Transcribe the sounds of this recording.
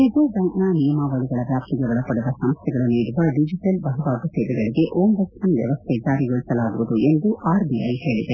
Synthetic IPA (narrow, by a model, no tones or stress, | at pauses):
id̪ubɐŋknaːnijɐmaʋɐɭiɡɐɭɐʋjaːp̚t̪iɡɐʋɐɭɐpːɐɽud̪ɐsɐmst̪ʰɛɡɐɭɐnːiːɽuʋɐɖid͡ʒiʈɐlbɐɦɐʋaːɡ̪ɐseːd̪iɡɐɭiɡe̞ʔoːmbɐksɐnʋjɐ̰ʋɐst̪ʰed͡ʒaːɾiɡoɭisɐlaːɡuʋud̪ue̞nd̪uʔaːɾbiɐjɦe̞ːɭid̪e